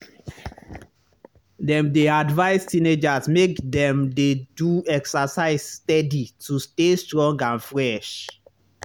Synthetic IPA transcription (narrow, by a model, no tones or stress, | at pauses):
dɛ̃mdeadvaɪstined͡ʒasmekdɛ̃mdeduɛksasaɪsstɛditustestɹɔ̃ŋɡãnfɹɛʃ